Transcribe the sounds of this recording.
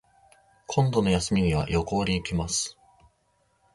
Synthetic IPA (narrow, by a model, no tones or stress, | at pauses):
kʰõ̞nd̪o̞no̞jasɨmʲiɲ̟iβa̰jo̞ko̞ːɾʲiːkʲimasɨ̥